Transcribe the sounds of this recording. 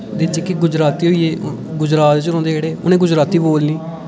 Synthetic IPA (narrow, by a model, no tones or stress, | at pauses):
d̪eːt͡ʃekɪɡʊd͡ʒɾaːt̪iːɦoːiːeː | ɡʊd͡ʒɾaːt̪t͡ʃəɾõːnd̪eːeːɽeːʊ̰nẽːɡʊd͡ʒɾaːt̪iːboːlniː